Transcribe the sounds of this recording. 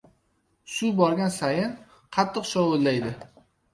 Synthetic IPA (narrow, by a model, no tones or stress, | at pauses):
sʊbɒɾɡʲansajɪn | qʰɑt̪ʰːɨqʃɒwolːajd̪ɪ